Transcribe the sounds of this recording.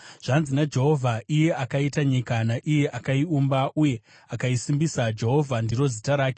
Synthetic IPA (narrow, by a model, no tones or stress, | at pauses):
ʐ̥anzinad͡ʒe̞ɦo̞vʱaʔije̞akaitaɲikanaʔije̞ʔakaiumbaʔuje̞ | akaisimbisad͡ʒe̞ɦo̞vʱandiɾo̞zitaɾaːke̥